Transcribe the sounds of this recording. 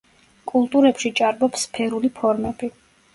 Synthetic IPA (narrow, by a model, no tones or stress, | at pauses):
kʼulˠt̪ʼuɾɛpʃit͡ʃʼaɾbɔpsːpʰɛɾulipʰɔɾmɛb̥i